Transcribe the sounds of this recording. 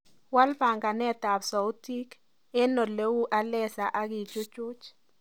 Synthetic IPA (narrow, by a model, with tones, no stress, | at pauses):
wa˦lpa˨ŋɡa˨nɛ˦ta˨bsɔ˨u˦ti˦k | ɛ˦nɔ˨le˦wu˦ʔa˦lɛ˦sa˨ʔa˦ki˨t͡ʃʊ˦t͡ʃʊ˦t͡ʃ